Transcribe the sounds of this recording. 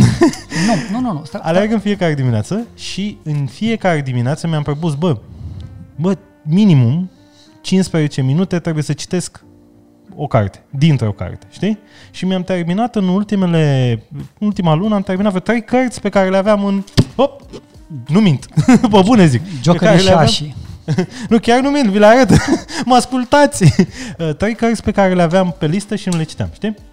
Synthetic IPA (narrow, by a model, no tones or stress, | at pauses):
nunununualerɡɨnfije̞kaɾe̞d̪imineat̪səʃiɨnfie̞kaɾe̞d̪imineat̪səmʲiampɾo̞p̬usbə | bə | minimum | t͡ʃinspɾezet͡ʃe̞minut̪e̞t̪ɾebuje̞sət͡ʃi̥t̪e̞sk | o̞ka̰rt̪e̥d̪int̪ɾeo̞ka̰rt̪e̥ʃt̪i | ʃimamt̪e̞rminat̪ɨnult̪ime̞le̞ | ult̪imalunəamt̪erminat̪fvot̪ɾe̞jkərt̪sʲpe̞kaɾe̞leaveamɨnvə | numint̪vəbunezikopekaɾeleaam | nukʲarnumint̪vileaɾət̪məaskult̪at̪sʲət̪ɾe̞jkərt̪sʲpe̞kaɾe̞leaveampe̞list̪əʃinule̞t͡ʃi̥t̪ea̰mʃt̪i